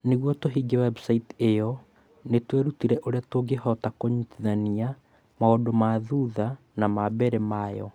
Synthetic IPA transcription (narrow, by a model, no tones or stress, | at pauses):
neɣwɔtoɦiːɡɛwɛbsaitejɔ | netwɛɾutiɾɛʔoɾeatoɡehɔtakoɲutiðania | maodomaðuða | namabɛɾɛmajɔ̰